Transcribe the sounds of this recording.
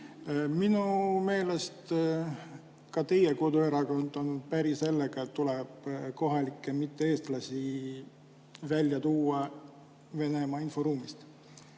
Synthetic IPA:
minume̞ːle̞st̪ | kɑt̪e̞jeko̞d̪ueɾɑkond̪ˑɑnud̪̥̚pæɾise̞lːeɡ̥ɑet̪ːulɛb̥ko̞ɦɑlʲikːˑemit̪ːeeːst̪lɑsi | vælʲːjɑt̪uːɑ | ve̞ne̞mɑːinfo̞ɾuːmist̪

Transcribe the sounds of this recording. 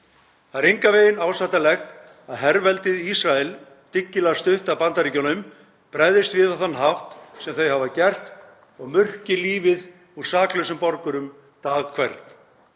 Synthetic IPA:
θaɾejŋkaveːjɪnaːwsajht̪alɛxt̪ | aðɦɛɾvɛlt̪ɪðisɾaɛl | t̪ɪcːɪlɛst̪ʏht̪avpant̪aɾicɔnʏm | pɾajðɪst̪vɪðawθanːɦawht̪sɛmθœɥhavacɛr̥t̪ | ɔɣmʏr̥cɪliːvɪð | uɾ̥saːklœɥsʏmpɔɾkʏɾʏm | t̪aːɣkʰvɛɾt̪

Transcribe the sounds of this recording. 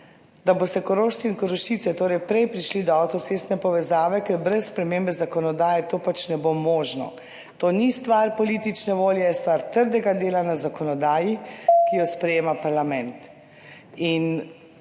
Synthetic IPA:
d̪aboːst̪ɛkɔɾoːʃt̪t͡s̪iinkɔɾoʃit̪sɛt̪oːɾɛjpɾɛjpɾiʃlid̪ɔawt̪ɔt̪sest̪nɛpɔʋɛzaːʋɛkɛɾbɾɛssːpɾɛmembɛzakɔnɔd̪aːjɛt̪oːpat͡ʃnɛbomɔːʒnɔ̰ | t̪oːnist̪ʋaɾpɔliːt̪it͡ʃnɛʋoːljɛjɛst̪ʋaɾt̪əɾd̪ɛɡad̪eːlanazakɔnɔd̪aːjikijɔspɾɛjeːmapaɾlamɛ̃nt̪ | in

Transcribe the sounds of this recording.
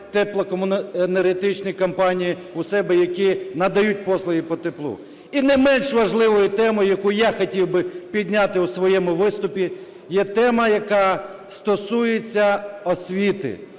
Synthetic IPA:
t̪ɛplˠɐkɔmʊneɾɪt̪ɪt͡ʃnijikɐmpɑnʲiji | ʊsɛbɛjɐkʲinɐd̪ɐjut̚ʲpɔslˠɔɦipɔt̪eplˠṵ | inɛjmɛnʃʋɐʒlˠɪʋɔjʊt̪ɛmɔjʊjɐkujaxɔtʲiwbɪpʲid̪ʲnʲat̪ɪusʋɔjɛmʊʋɪst̪ʊpʲi | jɛt̪ɛmɐjɐkɑ | st̪ɔsujet͡sʲːɐɔsʲʋʲit̪ɪ̰

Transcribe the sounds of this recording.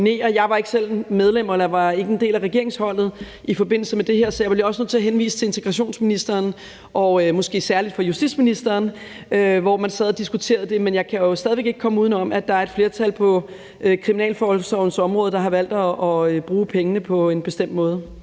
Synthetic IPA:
ne̝̰ːɐjɑ̈ɪʋɑ̈e̝ɡ̥əsel̰með̞ˠlem̰ɐelɐɑʋɑ̈e̝ɡ̥əend̥e̝̰ːlæʁɛɡe̝ɐe̝ŋshɒ̽l̰ð̞̩ˠ | ʔifɒ̽b̥e̝n̰l̩səmede̝ɦeɐ̰sɒ̽jɑ̈b̥b̥jɒ̽sənoð̰ˠt͡s̝ʰæɐɦenʋḭːsə̥t͡sʰe̝e̝nt͡sʰeɡ̥ʁɑ̈ɕo̝̰ːnsminisd̥ɐːn | ʔɒ̽ømɒ̽sɡ̥e̝̰ːsæɐlid̥fɒjusd̥ḭd̥sminisd̥ɐːn | øʋɒmænsɛðˠɐd̥isɡ̥ut͡sʰe̝̰ːɐðˠd̥e̝menjɑ̈ɪkʰæjo̝sdɛðˠiʋe̝ɡ̥eɡ̥kʰɒ̽məuðˠn̩ɒ̽mæd̥ɑ̈æɐe̝d̥fle̝ːɐt͡sʰælpʰɒ̽ | økʰʁiminɛ̰ːlfɒːhɒlsɒʊnəsɒ̽mʁɔ̽ːðˠd̥ɑ̈ɦɑ̈ʋæl̰d̥ɒːøb̥ʁuːpʰeŋənəpʰɒ̽e̝nb̥e̝sd̥em̰d̥mɔ̽ːð̞ˠ

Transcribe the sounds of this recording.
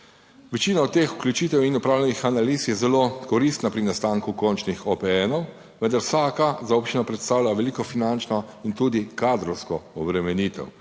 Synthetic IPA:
ʋɛt͡ʃiːnaɔt̪ːeːxu̥klʲut͡ʃiːt̪ɛwinɔpɾawlʲɛnixanaliːsjɛzɛlokɔɾist̪napɾinast̪aːŋkukɔnt͡ʃnixɔpɛɛnɔw | ʋənd̪aɾwsaːkazaupt͡ʃinapɾɛt̪st̪aːwlʲjaʋɛlikɔfinant͡ʃnɔint̪uːd̪ikaːd̪ɾɔwskɔɔbɾɛmɛniːt̪ɛ̰w

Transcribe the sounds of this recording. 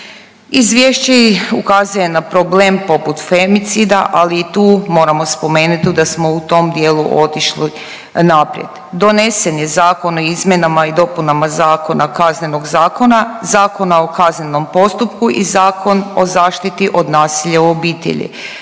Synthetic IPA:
izʋjeʃt͡ɕeukazuje̞napɾobleːmpo̞put̪femit̪sid̪aʔaliːt̪uːmo̞ːɾamo̞spo̞me̞ːnut̪id̪asmo̞ut̪o̞md̪jeːlˠuʔo̞t̪iʃli | napɾjḛd̪d̪o̞ne̞senjezaːko̞noizmʲjenamaid̪o̞punamazaːko̞nakazne̞no̞ɡzaːko̞nazaːko̞nao̞kazneno̞mpo̞st̪upkuʔizaːkʰo̞nozaːʃt̪it̪iʔod̪naːsiʎauo̞biːt̪ḛʎḭ

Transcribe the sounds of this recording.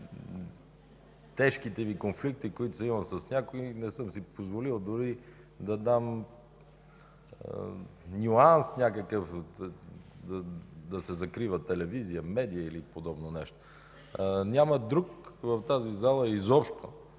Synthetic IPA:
t̪ɛʃkit̪ɛvikonflik̚t̪ikoit̪ʊ̥sɐimɐsəsnʲakoinɛsəmsipozvolilˠd̪ʊɾi | d̪ɐd̪am | nʲuansnʲakəkəf | d̪ɐd̪ɐsɛzɐkɾivət̪ɛlɛvizijəmɛd̪ijəilipod̪ɔbnonɛʃt̪o̥ | nʲaməd̪ɾukvɐft̪azizalˠəizɔpʃt̪o̰

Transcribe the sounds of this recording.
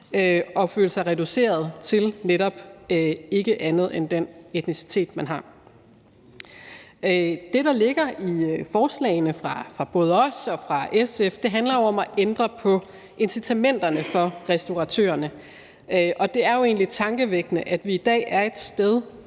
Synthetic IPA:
øʔɒ̽føːlsɑ̈ɪʁɛd̥use̝̰ːɐð̞ˠt͡sʰe̝lneɾɒ̽b̥ | e̝ɡ̥əʔænð̞̩ˠend̥ene̝d̥nisi̥t͡sʰe̝̰ːd̥mænɦɑ̈ | d̥e̝ɾɑ̈le̝ɡ̥ɐifɒːslɛ̰ɪnəfʁɑ̈fʁɑ̈b̥ɔ̽ːð̞ˠəɒ̽sɒ̽fʁɑ̈esefd̥e̝ɦændlɐjoɒ̽mæʔend̥ʁɐpʰɒ̽ | e̝nsit͡sʰæmen̰d̥ɐnəfɒ̽ʁɛsd̥oʁɑ̈t͡sʰø̰ːɐnə | ʔɒ̽d̥e̝æɐjo̝e̝̰ːnlit͡sʰɑ̈ŋɡ̥əʋeɡ̥nəʔæd̥ʋiːd̥ɛ̰ːʔæɐe̝d̥sd̥eð̞ˠ

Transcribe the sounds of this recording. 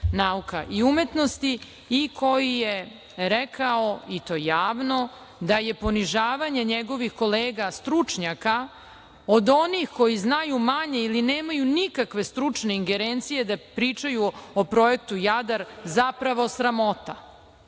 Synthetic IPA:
naukaʔiume̞t̪nost̪i | ikʰo̞jije | ɾekʰaoit̪o̞ːjaːʋno | d̪aje̞po̞niʒaːʋaɲe̞ɲeɡo̞ʋixko̞leːɡast̪ɾut͡ʂɲaka | od̪o̞nixko̞jiznajumaɲe̞ilineːmajunikakʋe̞st̪ɾut͡ʂne̞iŋɡe̞ɾent̪sije̞d̪apɾiːt͡ʃajuopɾo̞e̞k̚t̪ujad̪aɾzapɾaʋo̞sɾamo̞t̪a

